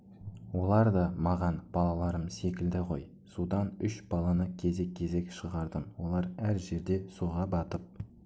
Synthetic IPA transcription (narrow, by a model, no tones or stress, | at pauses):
wo̞lˠɑɾd̪ɑmɑʁɑnb̥ɑlˠɑlˠɑɾəmse̞kʲɪld̪ɪqʰo̞̰j | sud̪ɑnʏʃb̥ɑlˠɑnəkʲʰe̞ze̞kʲʰːe̞ze̞kʃəʁɑɾd̪ənwo̞lˠɑɾæɾʒe̞ɾd̪e̞suʁɑbɑt̪əp̚